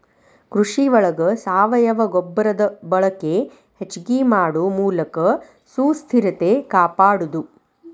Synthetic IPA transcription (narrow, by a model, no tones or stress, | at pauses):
kɾuʂiʋɐɭɐɡɐsaːʋɐjɐʋɐɡobːɐɾɐd̪ɐbɐɭɐkːe | het͡ʃɡimaːɽumuːlɐkɐ | suːst̪ʰiɾɐt̪e̞kaːpaːɽud̪u